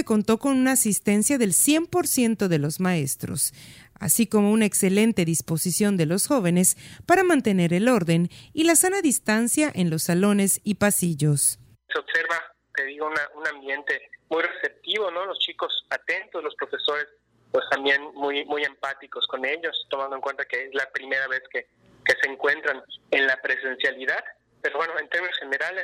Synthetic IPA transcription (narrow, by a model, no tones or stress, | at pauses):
eko̞nt̪o̞ko̞nunaːsist̪e̞nsjaðe̞lsje̞mpo̞ɾsje̞nt̪o̞ðe̞lo̞zmae̞st̪ɾo̞̰sa̰siko̞mo̞unaekse̞le̞nt̪e̞ðispo̞sisjo̞nd̪e̞lo̞sxoβ̞e̞ne̞spaɾamãnt̪e̞ne̞ɾe̞lo̞ɾðe̞nilasanaðist̪ansjaʔe̞nlo̞sːalo̞ne̞sipasiʝo̞s | seobseɾβa | t̪e̞ðiɣounaʔunãmbje̞nt̪e̞mujrese̞p̚t̪iβo̞no̞lo̞st͡ʃiko̞sat̪e̞nt̪ozlo̞spɾo̞fe̞so̞ɾe̞s | pwe̞st̪ambje̞nmujmuje̞mpat̪iko̞sko̞ne̞ʎo̞st̪o̞mand̪oeŋkwe̞nt̪akeezlapɾime̞ɾaβe̞ske | ke̞seːŋkwe̞nt̪ɾanenlapɾe̞se̞nsjaliðað | peɾoβwe̞noent̪e̞ɾmĩnosxene̞ɾale